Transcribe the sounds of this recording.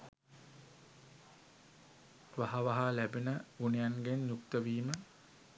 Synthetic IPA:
ʋaɦaʋaɦalæbenəunejanɡenjukt̪əʋiːmə

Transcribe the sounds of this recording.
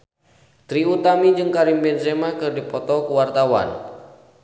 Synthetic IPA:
t̪ɾiut̪amid͡ʒɨŋkaɾimbɛnzɛmakɨrdipɔt̪ɔkuwart̪awa̰n

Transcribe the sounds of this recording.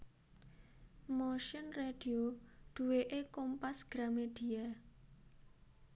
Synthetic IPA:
moʃɪnred̥ioɖ̪̥ṳweʔekompasɡ̥ɾamed̪̥i̤a

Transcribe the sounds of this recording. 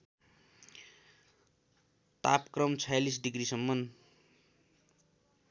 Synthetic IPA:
t̪apkrʌmt͡sʰʌjalis̬ɖiɡɾisʌmːʌn

